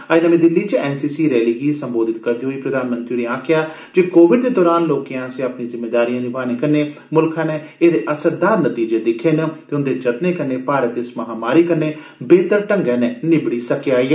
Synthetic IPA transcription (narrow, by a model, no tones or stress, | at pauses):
ainəmẽːd̪ɪlːiːt͡ʃɛːnsiːsiːɾɛːliːɡiːsəmboːd̪ɪt̪kəɾd̪iːɦoːiːpɾəd̪aːnmənt̪ɾiːɾeːãːkʰjaː | d͡ʒeːkoːʋɪɖd̪eːd̪ɔːɾaːnloːkijãːseːaːpnĩːzɪmːeːd̪aːɾijãːnɪbaːneːkənːeː | mʊlkʰãːneːeːd̪eːʔəsəɾd̪aːɾnət̪iːd͡ʒeːd̪ɪkʰːeːnt̪eːʊnd̪eːd͡ʒət̪neːkənːeːpaːɾət̪ɪsməɦãːmaːɾiːkəɾnːeː | beːt̪əɾʈəŋɡɛːneːnɪbɽiːsəkeaːiːɛː